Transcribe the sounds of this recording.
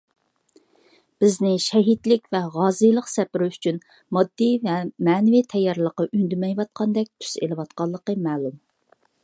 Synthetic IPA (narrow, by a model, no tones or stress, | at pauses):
b̥ɪznɪʃɛɦit̪lɪkʲvɛʁɑːzɨjlˠəqsɛpɪɾɪyt͡ʃʰyn | mɑd̪ːivɛmɛːnɪvit̪ʰɛjːɑɾlˠəqɑʔynd̪ymɛjvɑt̪̚qʰɑnd̪ɛk̚ʲt̪ʰy̥sḛlɪwɑt̪̚qɑlˠːəqəmæːlum